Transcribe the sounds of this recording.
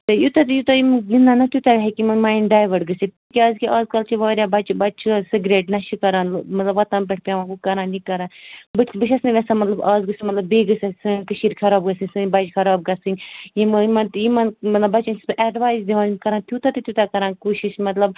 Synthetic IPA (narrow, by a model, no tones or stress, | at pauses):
t̪ɨjut̪ɐt̪ɨjut̪ɐjimɡinːanɐt̪ʰʲjut̪aɡɐɦekimɐnmaːinɖaːjʋɐɖɡɨsit̪ikʲiaːzkiʔaːzkɐlt͡ʃʰiʋɔːɾjaːbɐt͡ʃʰbɐt͡ʃʰusɨɡɾeːʈnɐʃikɐɾãːnmɐt̪lɐbɐt̪ãːmp̬ʲeʈʰpʲjaːʋãːbukɐɾãːnikɐɾaːnbɨbɨt͡ʃʰɐsnɨʋʲɛsamɐt̪lɐbaːzɡɨsimɐt̪lɐbːeːɡɨsasɨnkɨʃiːɾʲkʰɐɾaːbɡɐsɨnʲsɨbɐd͡ʒkʰɐɾaːb̚ɡɐsɨnʲjimmɐnt̪jimɐnmɐt̪lɐbːɐt͡ʃansʔɛɖʋaːjzd̪iʋaːnmkɐɾaːnt̪ʰjuːt̪ɐt̪ɨt̪ʰʲut̪akɐɾãːnkoːʃiʃmɐt̪lɐb